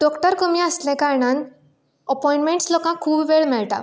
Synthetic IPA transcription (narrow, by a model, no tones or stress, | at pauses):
ɖɔkʈəɾkəmiəslɛ̃kaɾɳãn | əpɔj̃ɳʈmẽɳʈslɔkãkʰuːbʋeɭmɛɭt̪a̰